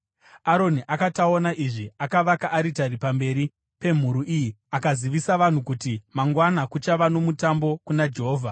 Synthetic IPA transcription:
aɾo̞niʔakataonaʔiʐiakaʋakaʔːɾitaɾipambe̞ːɾi | pe̞m̤uɾuʔijiakaziʋisaʋan̤ukutimaŋɡwanakut͡ʃaʋano̞mutambo̞kunad͡ʒe̞ɦoːvʱa

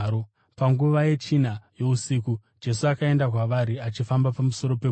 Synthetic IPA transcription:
o | paŋɡuʋaje̞t͡ʃinajo̞usiːkud͡ʒe̞suakae̞ndak̬waʋaɾiat͡ʃifambapamuso̞ɾo̞pe

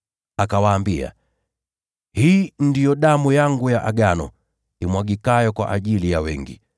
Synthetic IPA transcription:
akawaːmbia̰ | hiːndijɔɗamujaŋɡujaʔaɡanɔ̰ | imwaɡikajɔkwa̰ʔaʄilijawɛŋɡḭ

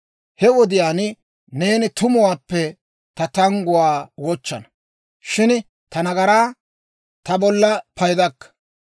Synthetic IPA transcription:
hɛwɔd̪ɪjaːn | ne̞ːnɪt̪ʊmʊwaːpːɛ | t̪ɐt̪ɐŋɡʊwaːwɔt͡ʃːɐnɐ | ʃɪn | t̪ɐnɐɡɐɾaː | t̪ɐbɔlːɐpɐjd̪ɐkːɐ̥

